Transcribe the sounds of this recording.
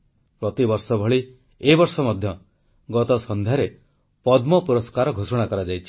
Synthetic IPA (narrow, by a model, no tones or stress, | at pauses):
pɾɔt̪ibɔɾsɔbʱɔɭi | ebɔɾsɔmɔd̪ʱjɔ | ɡɔt̪ɔsɔnd̪ʱjaɾe | pɔd̪mɔpuɾɔskaɾɔɡʱosɔɽ̃akɔɾad͡ʒajt͡ʃʰi̥